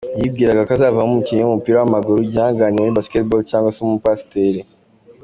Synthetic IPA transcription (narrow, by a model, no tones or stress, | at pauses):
jib̚ɡiːɾaɡakazaːvahumukiɲeumupiːɾawamaɡuɾuɟiaːŋɡaɲiaibasketbolcaːŋɡwasemupasteɾe